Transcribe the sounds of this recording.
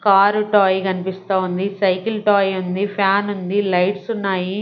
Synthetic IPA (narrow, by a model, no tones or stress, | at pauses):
kaːɾuʈaːjkɐnipist̪aːund̪isɐjkilʈaːjund̪ipʰjaːnund̪ilɐjʈsunːaːji